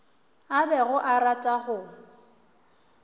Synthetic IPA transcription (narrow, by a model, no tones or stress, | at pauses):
abɛɣʊʔaratʼaχʊ